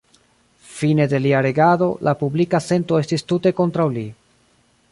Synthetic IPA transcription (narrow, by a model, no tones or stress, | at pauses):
fine̞d̪e̞liaɾe̞ɡado̞lʔapublikase̞nto̞e̞stistute̞ko̞nt̪ɾawli